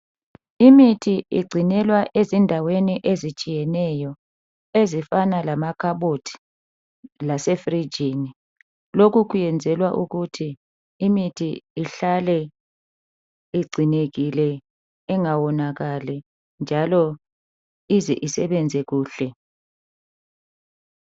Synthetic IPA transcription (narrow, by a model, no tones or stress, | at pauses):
imitʰiḭɡ͡ǀʱinɛlwaʔezindʱaweniʔezit͡ʃʼijɛnɛjɔ | ezifanalamakʰaɓotʰi̥ | lasefrid͡ʒʱini | lokʰukʰujɛnd͡zʱɛlwaʔuɣutʰiː | mitʰiːɬalɛ | iɡ͡ǀʱineɣilɛ | ɛŋawɔnaɣalɛ | nd͡ʒʱalɔ | izɛ̰ʔisɛɓɛnd͡zʱɛɣuːɬɛ